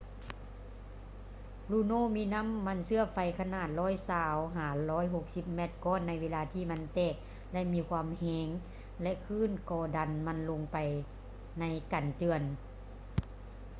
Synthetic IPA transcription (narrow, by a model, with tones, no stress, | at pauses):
luː˧˩˨noː˥˨miː˧˥˨na˧˥˨mːa˧˥˨nsɯ˧˩ɐfa˧jkʰa˧naː˧˩t̪̚lɔː˧˥˨jsaː˧wɦaː˨˩˦lɔː˦˥jɦo˧˦k̚si˧˦p̚mɛ˧˩t̪̚kɔː˧˨nːa˧jʋeː˧laː˧t̪ʰiː˧˩ma˧˥nt̪ɛː˧˩k̚ | lɛ˧ʔmiː˧kʰwaː˧˥˨mhɛː˧˦ŋ | lɛ˧ʔkʰɯː˧˥˨nkɔː˧˩da˨nma˧˥˨nlo˧ŋpa˨j | na˧˥jkaː˨nt͡ɕɯ˧ən